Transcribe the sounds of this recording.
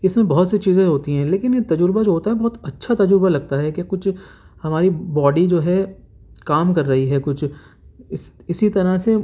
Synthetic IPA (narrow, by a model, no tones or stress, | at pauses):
ɪsmẽbɐɦɔt̪set͡ʃiːzẽɦoːt̪iɦɛ̃leːkɪnjet̪ɐd͡ʒʊɾbad͡ʒoːɦoːt̪aɦɛbɔɦt̪ɐtːʃʰat̪ɐd͡ʒʊɾbalɐɡ̚t̪aɦɛkjakʊt͡ʃʰ | hɐmaːɾibɔːɖid͡ʒoːɦɛ | kaːmkɐɾːɐɦiɦɛkʊt͡ʃʰ | ɪsɪsit̪ɐɾase